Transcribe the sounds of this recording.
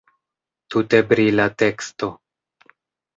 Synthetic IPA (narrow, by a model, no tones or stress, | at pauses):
tute̞bɾilate̞ksto̞